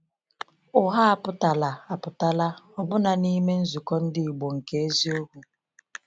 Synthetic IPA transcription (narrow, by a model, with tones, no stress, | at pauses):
ʊ˨ɦa˦a˨pʊ˦ta˨la˨a˨pʊ˨ta˦la˦ɔ˦bʊ˦na˨ni˦me˦n̩˦zu˨kɔ˦n̩˦dɪ˦i˨ɡ͡bo˨ŋ̩˨ke˨˦e˦zi˦o˦ɡu˦